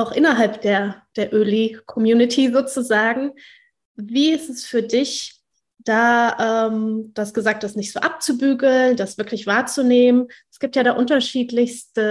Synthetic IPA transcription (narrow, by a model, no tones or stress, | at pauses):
ʔaʊxʔɪnɐɦalpd̥eːɐd̥eːɐʔøːlikʰɔmjuːnɪtʰizoːt͡suzaːɡŋ̩ | viːɪstɛsfyːɐdɪç | d̥aːʔɛːmd̥asɡ̥əzaːk̚td̥asnɪçtz̥o̰ːʔap̚t͡subyːɡl̩nd̥asv̥ɪɐklɪçv̥aːɐt͡suneːmənʔɛsɡ̥iːp̚tjaːɾaːʔʊntɐʃiːtlɪçstə